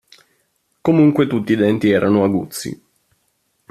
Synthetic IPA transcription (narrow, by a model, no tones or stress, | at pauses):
komuŋkwet̪ut̪ːiːd̪ɛnt̪iɛːɾʔanoaɡṵt̪sːḭ